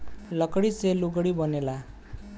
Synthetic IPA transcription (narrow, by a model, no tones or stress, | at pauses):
lʌkɽiseluɡɽibʌnela